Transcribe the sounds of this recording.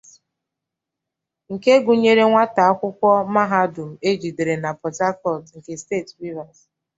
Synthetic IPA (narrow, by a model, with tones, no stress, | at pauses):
ŋ̩˨ke˦ɡu˨ɲe˦ɾe˦ŋʷa˦ta˨a˦kʷʊ˦kʷɔ˦ma˦ɦa˦dʊ˨m̩˨e˦d͡ʒi˨de˨ɾe˨na˨pɔ˨ta˦kɔ˦˨lŋ̩˨ke˨steː˦˨tɾi˦va˨s